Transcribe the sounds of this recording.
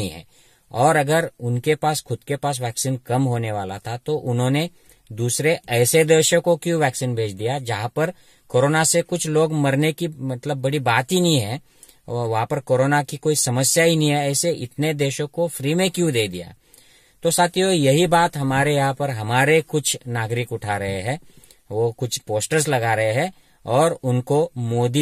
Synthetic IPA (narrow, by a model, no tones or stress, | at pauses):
ḭ̃ɦɛ̰̃ː | ɔːɾɐɡəɾʊnkepaːsxʊd̪̚kepaːs̬ʋɛːksiːnkɐmɦoːneʋaːla̰t̪ʰat̪oʔʊnɦõːne | d̪uːsɾeɛːsed̪eːʃəkokjũʋɛːksiːnbʱeːt͡ʃʰd̪ijad͡ʒɐɦãpɐɾ | koːɾoːnasekʊt͡ʃʰloːɡmɐɾnekimɐt̪ləbːɐɽibaːt̪ɦinɐɦĩɦɛ | ʋɐɦãpɐɾkoːɾoːnakikoːisɐməsjaɦinɐɦĩɦɛɛːseʔɪ̰t̪ned̪eːʃõkofɾiːmẽkjũd̪eːd̪ḭja̰ː | t̪osaːt̪ʰijojɐɦibaːt̪ɦɐmaːɾejɐɦãpɐɾɦɐmaːɾekʊt͡ʃʰnaːɡɾɪkʊʈʰaɾɐɦeɦɛ̃ː | ʋokʊt͡ʃʰpoːsʈəɾslɐɡaɾɐɦeɦɛ̃ | ɔːɾʊnkomoːd̪i